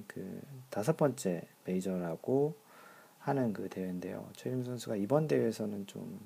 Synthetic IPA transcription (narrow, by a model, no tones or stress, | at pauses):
kɯ̰tasʰʌp͈ʌnt͡ɕ͈e̞pe̞id͡ʑʌɾaɡ̥o | hanɯnkɯte̞wende̞̰jo̰t͡ɕʰʌɾims̬ʰʌnsʰuɡaibʌnde̞wesʰʌnɯnt͡ɕo̰m